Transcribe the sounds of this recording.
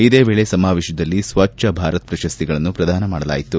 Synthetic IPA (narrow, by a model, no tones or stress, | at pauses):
id̪e̞ːʋeːɭesɐmaːʋeːʃɐd̪ɐlːisʋɐt͡ʃɐbʱaːɾɐt̪̚pɾɐʃɐst̪iɡɐɭɐnːupɾɐd̪ʱaːnɐmaːɽɐla̰ːjit̪u